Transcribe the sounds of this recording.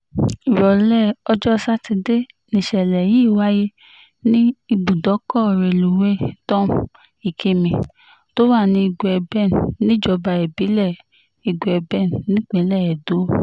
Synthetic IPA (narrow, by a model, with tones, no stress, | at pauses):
i˨ɾɔ˨lɛ˦˨ɔ˧d͡ʒɔ˦sa˦ti˧de˦ | nĩ˧˨ʃɛ˨lɛ˨ji˦˨wa˦je˦ | nĩ˦i˧bu˨dɔ˨˦kɔ˦˨ɾe˨lu˨we˦tɔ̃˦m | i˨kʰe˧mĩ˧˨ | to˦wa˦˨nĩ˧i˧ɡu˨ɛ˧bɛ˦˨nnĩ˦d͡ʒɔ˧ba˧˨ɛ˨bi˨˦lɛ˦˨ | i˨ɡɛ˧bɛ˦˨nnĩ˦k͡pĩ˨˦lɛ˦˨ɛ˨do˨˦